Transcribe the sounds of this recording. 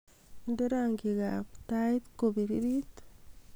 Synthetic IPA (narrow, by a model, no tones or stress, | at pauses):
indoɾaŋɡiɣapt̪ait̪koβiɾiɾit̪